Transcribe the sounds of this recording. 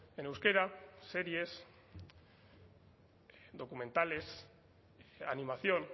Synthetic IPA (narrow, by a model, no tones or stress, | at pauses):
enewskeɾaseɾjes | ðo̞kumẽ̞nt̪ale̞s | animaθjo̞n